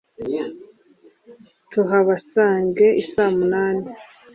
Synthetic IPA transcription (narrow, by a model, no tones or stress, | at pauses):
tuɦaβasaːŋɡeʔisamunaːne